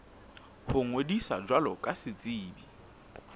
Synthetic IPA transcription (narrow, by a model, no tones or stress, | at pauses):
hʊŋwedisa̰d͡ʒwalɔkʼasɪt͡sʼiːbi